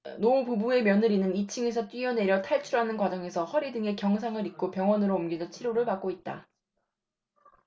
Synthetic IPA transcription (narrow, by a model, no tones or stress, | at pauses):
noupubue̞mjʌnɯɾinɯnit͡ɕʰɯŋe̞s̬ʰʌt͈wɥiʌne̞ɾjʌtʰaɭt͡ɕʰuɾɦanɯnkwad͡ʑʌŋe̞sʰʌɸʌɾidɯŋe̞kjʌŋsʰaŋɯɾik̚k͈opjʌŋwʌnɯɾoːmɡid͡ʑʌt͡ɕʰiɾoɾɯɭpak͈oit̚t͈a̰